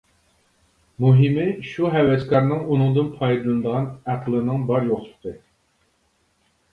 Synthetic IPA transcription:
muɦɪmɪʃuɦɛwɛskʰɑɾnɨŋunɨŋd̪ɨnpʰɑjd̪ɨlˠɨnd̪əʁɑnæqʰlˠɨnɨŋbɑɾjoχt̪ʰt̪ɨ

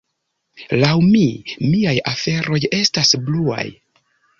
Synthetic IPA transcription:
lawmimiajafe̞ɾo̞je̞stasblua̰j

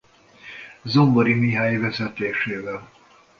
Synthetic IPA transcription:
zomboɾimiɦaːjvɛzɛt̪eːʃeːvɛl

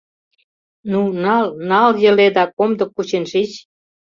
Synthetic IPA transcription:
nunɑlnɑljə̆led̪ɑkomd̪ɤ̆kːut͡ɕenʃit͡ɕ

